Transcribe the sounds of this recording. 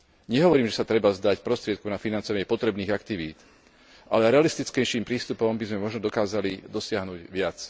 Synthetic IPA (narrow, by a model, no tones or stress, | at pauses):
ɲɛɦɔʋɔɾiːmʒɛsat̪ɾɛbazd̪acpɾɔst̪ɾɪɛt̪̚kɔʊnafinant͡sɔʋaɲɪɛpɔt̪ɾɛbniːɣakt̪iʋiːt̪ | ʔa̰lɛɾɛalist̪it͡skɛjʃiːmpɾiːst̪upɔmbizmɛmɔʒnɔd̪ɔkaːzalid̪ɔsɪaɦnuɟʋɪat͡s